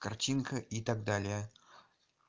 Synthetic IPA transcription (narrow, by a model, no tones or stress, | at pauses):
kɐrtʲinkəʔit̪aɡ̚d̪alʲɪjə